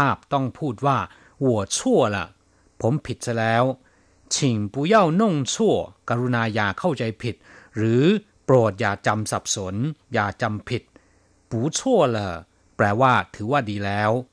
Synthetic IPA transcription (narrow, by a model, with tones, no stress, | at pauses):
aː˥˩p̚t̪ɔ˥˩ŋpʰuː˥˩t̪̚waː˥˩ | wu˨˩ət͡ɕʰu˥˩ɐla̰˨˩ | pʰo˩˦mpʰi˨˩t̪̚sa˧˩lɛː˦˥w | t͡ɕʰi˨˩ŋpuː˨˩˦ja˥˩wno˥˩ŋt͡ɕʰu˥˩əka˧ɾu˧naː˧jaː˨˩kʰa˥˩wt͡ɕa˧jpʰi˨˩t̪̚ɾɯː˩˦ | pɾoː˨˩t̪̚jaː˨˩t͡ɕa˧msa˨˩p̚so˩˦njaː˨˩t͡ɕa˧mpʰi˨˩t̪̚ | puː˩˦t͡ɕʰu˥˩ələː˧˩ | plɛː˧waː˥˩t̪ʰɯː˩˦waː˥˩diː˧lɛː˦˥w